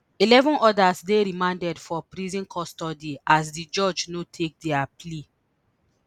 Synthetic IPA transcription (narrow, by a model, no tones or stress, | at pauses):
ilɛvɔ̃nʔɔdasdeɾimãndɛdfɔpɾizĩnkʰɔstɔdias̬did͡ʒɔd͡ʒnotʰek̚dɛaple